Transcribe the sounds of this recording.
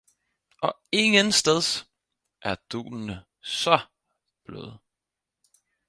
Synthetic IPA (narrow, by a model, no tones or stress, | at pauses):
ʔɒ̽e̝ŋənsd̥eðˠs | ʔæɐd̥ṵːlnə | sɒ | b̥lø̰ːð̩ˠ